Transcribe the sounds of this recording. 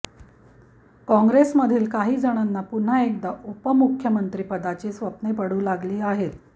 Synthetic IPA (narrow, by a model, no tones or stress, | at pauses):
kɔ̃ŋɡɾesməd̪ʱiːlkaɦiːd͡zəɽ̃anːapun̤aekd̪aʔupəmukʰjəmənt̪ɾiːpəd̪ʱat͡ɕiːsʋəpnepəɽuːlaɡliːaɦet̪